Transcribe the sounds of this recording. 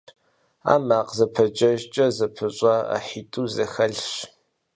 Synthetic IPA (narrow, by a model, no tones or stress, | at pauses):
a̰ːmaːqzɐpʰɐd͡ʒɐʒt͡ʃʼɐzɐpʰɨɕʼɐa̰ħitʼuzɐxɐɮɕ